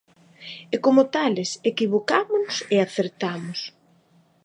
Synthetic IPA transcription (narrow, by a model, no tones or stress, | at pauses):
ɛkomʊt̪alɪsekiβokamʊnʊseaθeɾt̪amʊs